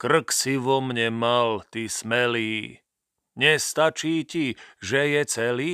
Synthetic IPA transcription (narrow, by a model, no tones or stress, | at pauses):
kr̩ksiʋɔmɲɛmalt̪ismɛliː | ɲɛst̪at͡ʃiːciʒɛjɛt͡sɛliː